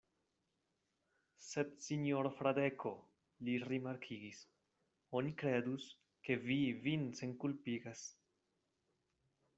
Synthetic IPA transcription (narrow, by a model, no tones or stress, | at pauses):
se̞dsinjoɾfɾadekʰo̞ | liɾimaɾkʰiɡis | o̞nikɾe̞dus | ke̞vivinse̞nkulpiɡas